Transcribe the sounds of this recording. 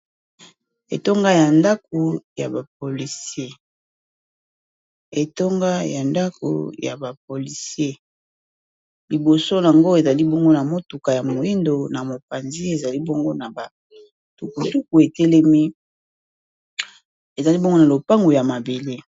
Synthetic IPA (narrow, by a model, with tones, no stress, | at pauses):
ḛ˨to˦ŋɡa˦ja˨nda˦k̚o˨ja̰˨ba˨p̚o˨li˨sie˦ | e˨to˦ŋɡa˦ja˨nda˦ko̰˨ja̰˨ba˨p̚o˨li˨se˦ | li˨bo˨so˦la˨ŋɡo˦e˨za˨li˦bo˦ŋɡo˦na˨mo˦tu˨ka˨ja˨mo˨i˦ndo˨na˨mo˨pa˨nzi˦e˨za˨li˦bo˦ŋɡo˦na˨ba˨ | tu˨ku˨su˦k̚u˨e˨te˦lɛ˦mi˦ | e˨za˨li˦bŋɡo˦na˨lo˨pa˦ŋɡo˨ja˨ma˨be˨le˦